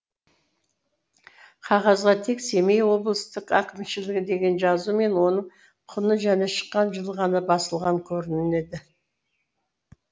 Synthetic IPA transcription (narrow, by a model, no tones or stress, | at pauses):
qʰɑʁɑzʁɑt̪ʰe̞kse̞me̞jwo̞blˠəst̪əqækʲɪmʃɪlɪɡʲɪd̪e̞ɡʲe̞nʒɑzume̞nwo̞nəɴ | qʰʊnəʒæne̞ʃə̥qːɑnʒəlˠʁɑnəbɑsəlˠʁɑŋkʲʰɵɾɪnɪne̞d̪ɪ